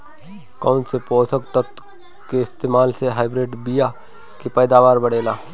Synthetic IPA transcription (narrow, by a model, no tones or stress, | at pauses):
kaʊnsepɔːsəkt̪ət̪ | keɪst̪eːmaːlseɦaːɪbɾeːɖbija | kepɛːd̪aːʋaːɾbɐɽeːlaː